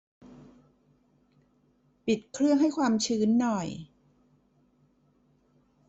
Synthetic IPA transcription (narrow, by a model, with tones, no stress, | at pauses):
pi˨˩t̪̚kʰɾɯ˥˩əŋɦa˥˩jkʰwaː˧mt͡ɕʰɯː˦˥nːɔ˨˩j